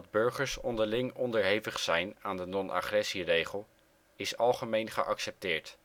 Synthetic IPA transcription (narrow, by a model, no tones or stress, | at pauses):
ɑd̚bɵɹχəɹsɔndəɹlɪŋɔndəɹɦejvəχsɛjnaːndənɔnʔa̰χrɛsirejχəlˠ | ɪsɑlˠχəmejnχə̰ʔɑksɛp̚tɪːɹt